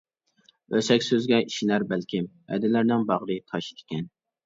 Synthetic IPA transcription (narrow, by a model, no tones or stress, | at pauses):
øsɛkʲsøzɡʲɛʔiʃinæɾbælkʲʰɪm | ɛ̰d̪ɪlæɾnɪŋbɑʁɾɨt̪ʰɑʃi̥d̪ɪ̥kʲɛn